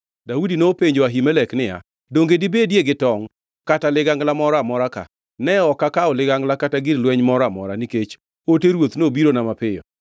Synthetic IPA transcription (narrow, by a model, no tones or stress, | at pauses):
daudinopeɲd͡ʒoaɦimɛlɛknɪja̰ | doŋɡedibedjeɡɪtɔŋ | katalɪɡaŋɡlamɔɾamɔɾaka̰ | nɛɔkakaɔlɪɡaŋɡlakataɡɪɾlwɛɲmɔɾamɔɾaniket͡ʃ | oteɾwot̪nobiɾonamapɪjɔ̰